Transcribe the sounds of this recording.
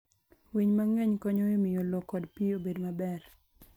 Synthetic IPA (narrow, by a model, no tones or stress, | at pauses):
wiɲmaŋɛɲkɔɲoemɪjolɔkːɔdpiobedmabɛr